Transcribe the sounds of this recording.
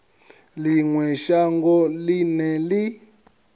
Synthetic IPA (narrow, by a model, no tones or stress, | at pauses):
liŋwɛʃaŋɡɔlinɛli